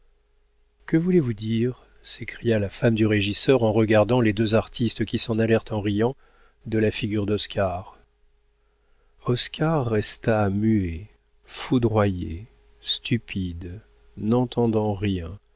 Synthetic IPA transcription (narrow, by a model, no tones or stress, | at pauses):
kəvulevud̪iʁ | sekχijalafamd̪yʁeʒisœʁɑ̃ʁəɡaʁd̪ɑ̃led̪øzaʁt̪ʰist̪kʲisɑ̃nalɛʁt̪ɑ̃ʁijɑ̃ | d̪əlafiɡʲyʁd̪ɔskʰaʁ | ɔskʰaʁːɛst̪amye | fud̪ʁwaje | st̪ʰypʰid̪ | nɑ̃t̪ɑ̃d̪ɑ̃ʁjɛ̃